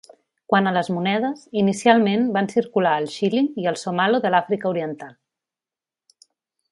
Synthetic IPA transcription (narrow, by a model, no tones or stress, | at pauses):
kwanələzmunɛð̞əzinisialˠmenbansiɾkulaəlˠʃilimiəlˠsomaloðəlafɾikəuɾiənt̪alˠ